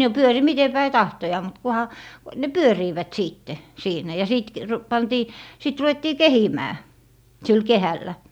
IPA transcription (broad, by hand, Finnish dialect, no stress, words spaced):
no pyøri mite pæi tɑhtojɑː mut kuhɑ ne pyøriːʋæt siːtːe siːnæ jɑ siˑt k r pɑntiː sit ruw̆etːiː kehimæː sil kehælːæ